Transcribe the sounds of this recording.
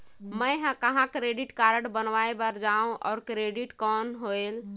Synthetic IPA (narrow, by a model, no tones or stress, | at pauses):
məjɦãkəɦãkɾeɖiʈkaɾəɽbənʋaebəɾd͡ʒaũʔɔ̰ːɾkɾeɖiʈkɔnɦoel